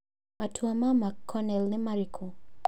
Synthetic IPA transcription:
atʰuamamakʰːɔnɛlnimaɾikʰu

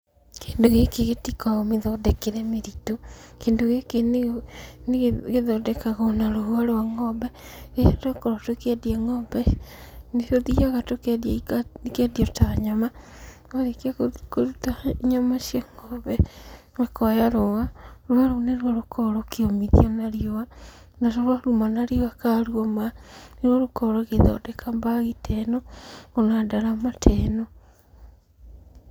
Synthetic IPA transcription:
kendoɣekeɣetikaomeðɔdɛkeɾɛmeɾito | keːndoɣeken | neɣɣeðɔdɛkaɣaonaɾohuaɾoaŋɔbɛɣeatakɔɾotwekɛdiɛŋɔbɛnetoðiaɣatokɛdjaiaikɛdiɔtaɲama | oðekiakoɾutaiɲamaʃjɔŋɡɔbɛ | mekɔjaɾowaɾwaɾoneɾwɔɾokʰɔɾokeomiðḭɔnaɾiowa | natoɾwaɾumanaɾijoakaɾwɔmaneɾwɔɾokɔɾoɣeðɔ̰dekʰambaɣitʰɛnoŋonadaɾamatʰɛno

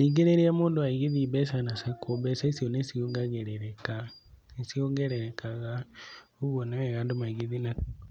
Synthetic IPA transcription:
niɡeɾeɾiamoːndowaiɣiðibɛsanasɛkʰobɛsaisiɔnesioŋɡaɣɛɾɛɾɛka | esioŋɡɛɾɛɾɛkaɣa | oɣwɔnɛwɛɣaːndomaiɣiðina

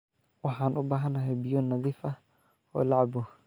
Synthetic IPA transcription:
wɑħaːnʔʊbaːɦɐnɐɦɛjbɪjɔnːɐðiːfɐ | ɔ̰ːlaʕbʊ

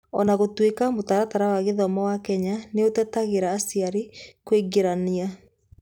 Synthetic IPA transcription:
ɔ̰naɣotwekamotaɾataɾawaɣeðɔmawakɛɲaneotɛtaɣeɾaːsiaɾekweɡeɾania

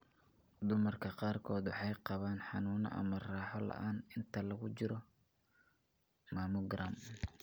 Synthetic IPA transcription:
d̪ʊmɐrkʰɐqɑːrkʰɔːd̪wɑħɑjqɑβaːnħɑnuːnɐ̰ʔɐ̰mɐrɑːħɔlɐ̰ʔaːnɪnt̪ʰɐlɐɣʊt͡ʃɪɾɔ | maːmʊɡram

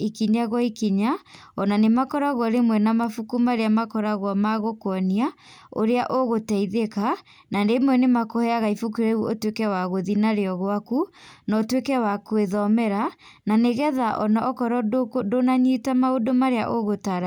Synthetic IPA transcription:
ikiɲaɣwɔikiɲa | ɔnanemakɔɾaɣwɔɾemwɛnamafukumaɾeamakɔɾaɣwɔmaɣokɔnia | o̰ɾeaʔoɣotɛiðeka | nandeimwɛnemakohɛaɣaifukuɾɛuotwekɛwaɣoðinaɾeɔɣwakunɔtwekɛwakweðɔmɛɾa | naneɣɛðaʔɔnaʔɔkɔɾɔdkdonaɲitamaodomaɾeaʔoɣotaɾa

